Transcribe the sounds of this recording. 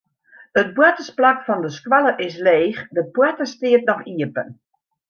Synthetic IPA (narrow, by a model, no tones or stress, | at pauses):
ət̚bwɛtəsplakfɔndəskwaləʔɪs̬leːxdəb̥wɛtəstiətnɔxiəpə̰n